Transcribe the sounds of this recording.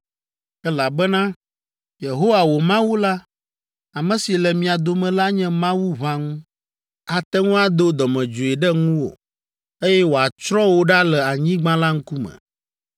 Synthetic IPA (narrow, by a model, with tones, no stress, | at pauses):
ɛ˦la˨bɛ˦nã˦ | je˨ɦo˦wa˨wo˨mã˦wu˦la˦ | a˨mɛ̃˨si˨lɛ˨mĩ˨a˨d̪o˨mɛ̃˨la˦ɲɛ̃˦mã˦wu˦βã˦ŋũ˦ | a˨t̪ɛ˦ŋũ˦a˦d̪o˦d̪ɔ˨mɛ̃˨d͡ʒo˨e˨ɖɛ˦ŋũ˦wo̰˨ | e˦jɛ˦wo˨a˨t͡ʃɾɔ̃˦wo˦ɖa˦lɛ˨a˨ɲĩ˦ɡ͡bã˦la˦ŋ̩˦ku˦mɛ̰̃˨